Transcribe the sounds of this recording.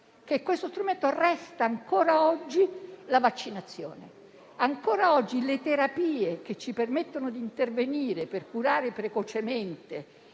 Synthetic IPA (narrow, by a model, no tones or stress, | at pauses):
kekːwest̪ost̪ɾument̪orɛst̪aːŋkoːɾaɔd͡ʒːilavat͡ʃːinat̪sːjo̰ːne | aŋkoːɾaɔd͡ʒːilet̪eɾapiːek̟et͡ʃːipermet̪ːonod̪iːnt̪erveniːɾeperkuɾaːɾepɾekot͡ʃement̪e